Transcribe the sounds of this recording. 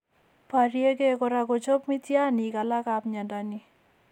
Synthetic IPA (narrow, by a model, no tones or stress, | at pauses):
pʰaɾieɡeɡɔɾaɡɔd͡ʒɔpmit̪janiɡalakabɲadani